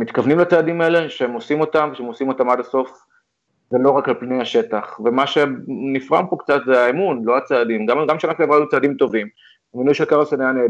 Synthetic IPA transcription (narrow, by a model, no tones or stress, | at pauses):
mit̪kavnimlat͡saːdimaele̞ʃeemo̞simo̞t̪amveʃeemosimo̞tamad̪aso̞f | ze̞lo̞ʁakalpnejaʃe̞t̪aχve̞maʃe̞nifʁa̰mpo̞kt͡sat̪zeaemunlo̞at͡saːd̪imɡamɡamʃanakiavʁalut͡saːd̪imt̪o̞vim | eminuʃekaʁseneane